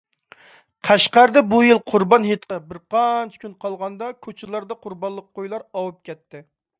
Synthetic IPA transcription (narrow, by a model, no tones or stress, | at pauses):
qʰæʃqæɾɨd̪ɛbujilˠqʰʊɾbɑnɦet̪qɑbɪɾqʰɑnt͡ʃʰɪ̥kʲynqʰɑlˠʁɑnd̪ɑkʲʰot͡ʃʰɪlˠɑɾd̪ɑqʰʊɾbɑnlˠːəq̚ːojlˠɑɾɑwup̚kʲɛt̪ʰːɪ